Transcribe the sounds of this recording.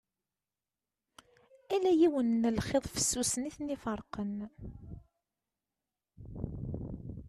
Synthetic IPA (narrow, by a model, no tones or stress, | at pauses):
ælæjiwənːəlχeðˤfə̥sːusniθnifəɾˤqən